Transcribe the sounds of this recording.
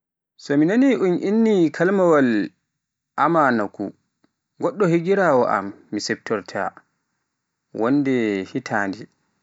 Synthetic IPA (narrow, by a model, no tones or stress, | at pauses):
sɔminaniʔunʔinːikʰalmawal | ʔamanakṵ | ɡɔɗːɔhiɡiɾaːwɔʔa̰mːisɛb̚tɔɾtʰa̰ | wʔɔnːdɛhitʰaːndi